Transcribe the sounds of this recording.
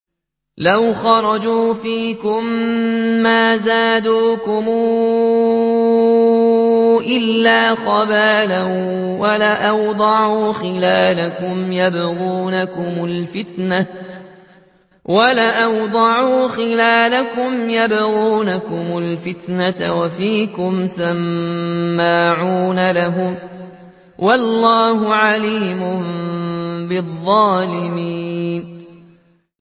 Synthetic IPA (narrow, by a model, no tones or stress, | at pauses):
lawxɑɾˤɑd͡ʒuːfiːkʊmː | aːzaːd̪uːkʊmuː | ʔɪlːaːqɑbaːlawalaʔawd̪ˤɑʕuːxɪlaːlakʊmjabɣuːnakʊmʊlfɪt̪na | walaʔawd̪ˤɑʕuːxɪlaːlakʊmjabɣuːnakʊmʊlfɪt̪nat̪a̰wafiːkʊmsamː | aːʕuuːnalaɦʊm | wɑlˤːɑːhʊʕaliːmʊm | bɪðˤːɑːlɪmiːn